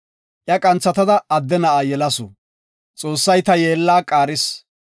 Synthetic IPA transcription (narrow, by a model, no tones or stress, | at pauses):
ʔjɐkʼɐnt͡sːɐt̪ɐd̪ɐːd̪ːɛnɐaːjɛlɐsɔ | t͡sʼo̞ːsːɐjt̪ɐjeːlːaːkʼaːɾɪs